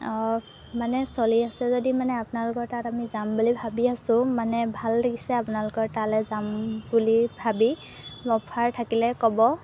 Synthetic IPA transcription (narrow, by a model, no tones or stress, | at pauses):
ɔ | manɛsɔliasɛzɔdimanɛapʊnalʊkɔɹtatamizambulibʱabiasʊ̃manɛbʱallaɡisɛapʊnalʊkɔɹtalɛzambulibʱabi | bɔpʰaɹtʰakilɛkɔbɔ